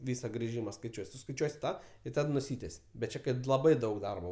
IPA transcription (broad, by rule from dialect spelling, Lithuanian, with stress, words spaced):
ˈʋʲiːsɐ ɡrʲɪˈʒʲiːmɐ skɐɪˈt͡ʃʲuɔj sʊskɐɪˈt͡ʃʲuɔsʲɪ ˈtɑː ɪ ˈtɐt nʊˈsʲiːtʲɛsʲ bʲɛt ˈt͡ʃʲɛ ˈkɐt lˠɐˈbɐɪ ˈdɐʊk ˈdɐrboː